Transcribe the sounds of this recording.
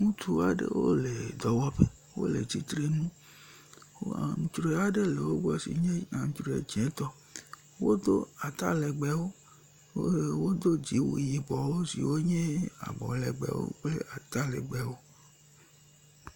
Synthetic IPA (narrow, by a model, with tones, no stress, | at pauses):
ŋũ˦t̪u˦a˨ɖḛ˦wo̰˦le˨d̪ɔ˨wɔ˦ɸe˦ | wo̰˦lḛ˨d͡zi˦t̪ɾe˦nũ˦ | wo˦a̰˨ŋ˨t͡ʃɾo˨a˨ɖe˦le˨wo˦bu˦a˦sḭ˨ɲẽ˦a˨ŋ̩̃˨t͡ʃɾo˨ḛ˨d͡ʒẽ˨˦t̪ɔ˦ | wo˦d̪o˦a˨t̪a˦le˨ɡ͡bɛ˨wo˦ | o˦˨wo˦d̪o˦d͡ʑi˨˦wṵ˨ji˨bɔ˨wo˦sḭ˨wo˦ɲẽ˦a̰˨ɡ͡bɔ̰˨lɛ˨ɡ͡bɛ̰˨wo̰˦k͡ple˦ʔa˨t̪a˦lḛ˨ɡ͡bɛ˨wo˦